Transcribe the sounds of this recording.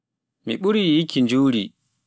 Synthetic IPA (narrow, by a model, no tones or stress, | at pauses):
miɓuɾiːjikːind͡ʒuwɾi